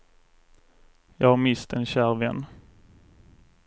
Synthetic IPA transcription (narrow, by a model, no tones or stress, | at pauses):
jɑːɡhaɾmɪst̪ʰɛnɕæːɾvɛnː